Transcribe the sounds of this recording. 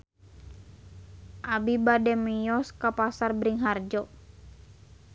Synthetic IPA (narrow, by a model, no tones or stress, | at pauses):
ʔabibadɛmijɔskapasarbɾiŋɦard͡ʒɔ